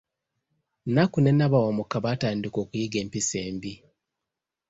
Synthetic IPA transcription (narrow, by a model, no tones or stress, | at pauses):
nakune̞naβawamukaβataːndiko̞ːkujiɡe̞ːmpiseːmbi